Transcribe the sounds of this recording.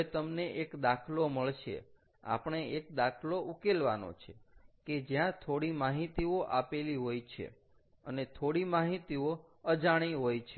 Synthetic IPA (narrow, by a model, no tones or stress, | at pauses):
et̪əmneʔekd̪akʰloməɭʃḛ | a̰pɳ̃eek̚d̪akʰloʔukelʋa̰no̰t͡ʃʰeked͡ʒjãt̪ʰoɽimaɦit̪ioʔapeliɦojt͡ʃʰḛ | ə̰net̪ʰoɽimaɦit̪io | əd͡ʒaɽ̃iɦojt͡ʃʰe